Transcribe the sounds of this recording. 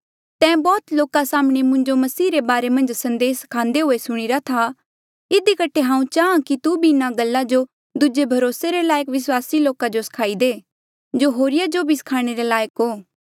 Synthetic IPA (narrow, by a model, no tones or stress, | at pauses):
t̪ɛ̃ːbɔːt̪loːkasaːmɽ̃emʊ̃ɲd͡ʒomɐsiːɾebaːɾemɐ̃nd͡ʒsɐ̃nd̪eːskʰãːnd̪eɦoːesʊɽ̃iɾat̪ʰa | ɪd̪ikəʈʰːeɦãːũt͡ʃaːãkit̪ubʱiɪnaɡəlːad͡ʒo | d̪ʊd͡ʒebʱɐɾoːseɾelaːjəkʋɪswaːsiloːkad͡ʒosɐ̥kʰaːid̪eː | d͡ʒoɦoːɾɪjad͡ʒobʱisɐ̥kʰaːɽ̃eɾelaːjəkɦoː